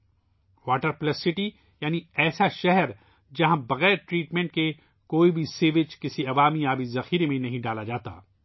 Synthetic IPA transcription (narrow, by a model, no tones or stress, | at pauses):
ʋaːʈəɾplɐsːɪʈi | jaːniɛːsaʃɛɦɛɾ | d͡ʒɐɦãbɐɣɛːɾʈɾiːʈmɛ̃ːɳʈke | koːibʱiseːʋɪd͡ʒkɪsiɐʋaːmiaːbizɐxiːɾemẽnɐɦĩɖaːlad͡ʒaːt̪a̰ː